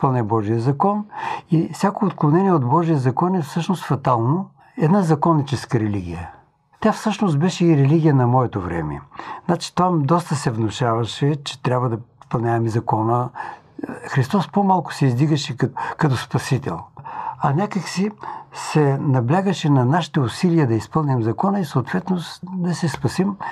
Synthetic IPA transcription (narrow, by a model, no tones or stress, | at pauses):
pɐlˠnɛbɔʒijəzɐkɔnifsʲakoot̪̚klˠonɛniɛod̪bɔʒijəzɐkɔnɛfsɤʃnost̪fɐt̪alˠno | ɛd̪nazɐkɔnːit͡ʃɛskəɾɛliɡʲḭjə̰ | t̪ʲafsɤʃnost̪̚bɛʃɛiɾɛliɡʲijənɐmɔɛt̪ovɾɛ̰mɛ̰znat͡ʃi̥t̪vamd̪ɔst̪əsɛvnoʃavɐʃɛt͡ʃɛ̥t̪ɾʲjabvəd̪ɐspɐlˠnʲavɛmizɐkɔnə | xɾist̪ɔspomalˠkʊ̥sɛizd̪iɡəʃɛkɐt̪ɔspɐsit̪ɛ̰lˠɐnʲakəksisɛnɐblʲaɡəʃɛnɐnaʃi̥t̪ɛʊsilijəd̪ɐispɤlˠnʲɛmzɐkɔnəisoot̪vɛt̪nosd̪ɐsɛspɐsim